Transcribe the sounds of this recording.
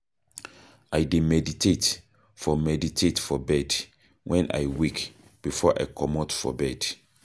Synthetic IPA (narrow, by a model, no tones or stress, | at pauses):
ajdemɛditʰet | fɔmɛditʰetfɔbɛd | wʔɛ̃nʔa̰jwik | b̥ifɔʔa̰jkʰɔmɔtfɔ̰bɛd̥